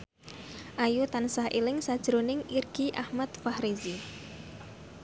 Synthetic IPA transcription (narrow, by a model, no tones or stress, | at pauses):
ʔajut̪ansahʔḭlɪŋsad̥ʒ̥ɾonɪŋirɡ̥iʔahmat̪fahɾizi